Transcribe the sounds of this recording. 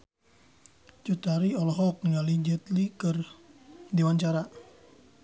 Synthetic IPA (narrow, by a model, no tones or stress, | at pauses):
t͡ʃut̪aɾiɔlɔɦɔk̚niŋalid͡ʒət̪likɨr | dewant͡ʃaɾa